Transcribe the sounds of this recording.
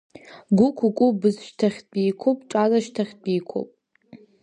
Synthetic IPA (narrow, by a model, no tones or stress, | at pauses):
ɡʷʊkʷʰukʷʼʊbɨzʃtʰaχʲbijkʷʰopʼʈ͡ʂʼazaʃtʰaχʲbijkʷʰo̰pʼ